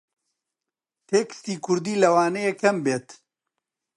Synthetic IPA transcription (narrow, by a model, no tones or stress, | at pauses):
t̪ʰeːkɨ̥st̪iːkʰʊɾd̪iːlɐwaːnejekʰɐmbeːt̪